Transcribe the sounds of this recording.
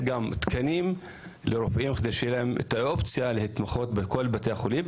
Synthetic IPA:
ɡamt̪kʰanim | leɾofaʔimχad̪ejʃejelahemḛt̪aʔopt͡sjalehet̪maχo̞t̪bekolbat̪ejaχolim

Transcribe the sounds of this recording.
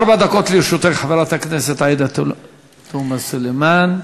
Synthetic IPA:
ʔɑɾˤbaʕd̪akoːt̪liʃut̪eħaveɾat̪akneset̪ʕiːd̪a | t̪umasʊlemaːn

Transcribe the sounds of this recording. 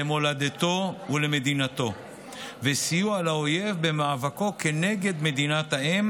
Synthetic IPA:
emo̞lad̪et̪o̞ule̞me̞d̪inat̪o̞ | vesijualaoje̞vbe̞maːvako̞ke̞ne̞ɡe̞d̪me̞d̪inat̪aem

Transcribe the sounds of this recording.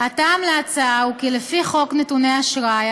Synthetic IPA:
ataːmleat͡saukilefiχo̞knetune̞aʃʁaj

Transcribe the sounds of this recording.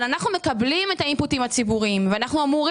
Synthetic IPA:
lanaχnume̞kablime̞tainputimat͡sibuʁimveanaχnuamuʁ

